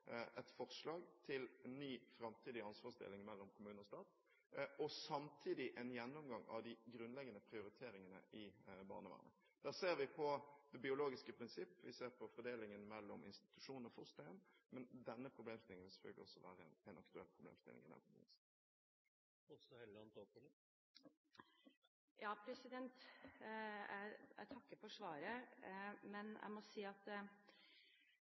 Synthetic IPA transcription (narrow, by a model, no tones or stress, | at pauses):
ʔɛt̪fɔʁʂlɑːɡt̪ʰɪlnːyːfɾɑmt̪ʰiːd̪ɪɑnsʋɑːsd̪ɪ̰lːɪŋmɛlːɔmkʰʊmʉːnɔst̪ɑːt̪ | ʔɔsɑmt̪ʰiːd̪ɪʔɛnjɛnːʊmɡɑŋɑ̰ʋd̪ɪɡɾʉnlɛɡənəpʰɾɪʊɾɪt̪ʰeːɾɪŋənə̰ʔɪbɑ̰ːʁnəʋæ̰ːʁnə̰ | d̪̥æːʁseːɾʋɪpʰɔd̪̥ɛbɪʊloːɡɪskəpʰɾɪnsɪpːʋɪseːʁpʰɔfɔd̪eːlɪŋənmɛlːɔmʔɪ̰nst̪ɪ̥t̪ʉ̥ʂuːnnəɾfɔst̪ɔɛnːmɛnd̪ɛnːəpʰɾʊbleːmst̪ɪlɪŋəʋɪsɛ̥fœ̰ɡlɪ̰ɔsːɔʋæːɾənɛnɑkt̪ʉɛlːpʰɾʊblḛːmst̪ɪlɪ̰ŋɪd̪ɛ̰nkʰʊm̰ːns | ɔsɔhɛlɑnt̪opələ | jɑːpʰɾɛsɪd̪ɛnt̪ | æ̰ɪæ̰t̪ʰɑkːəfɔʂʋɑːɾə | mɛnʔæ̰ɪmɔsiːɑt̪